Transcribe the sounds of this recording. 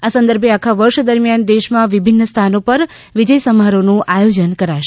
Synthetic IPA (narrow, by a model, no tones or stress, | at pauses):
asə̃nd̪əɾbʱeakʰaʋəɾʃd̪əɾmjand̪eʃmãʋibʱinːəst̪ʰanopəɾ | ʋid͡ʒəjsəmaɾonũʔajod͡ʒənkəɾaʃ